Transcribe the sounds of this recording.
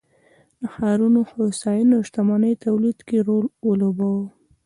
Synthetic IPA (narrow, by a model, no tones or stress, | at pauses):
d̪əxɑɾunoxosɑjinoʃt̪amɑnəjt̪awlid̪keɾolwəlobawo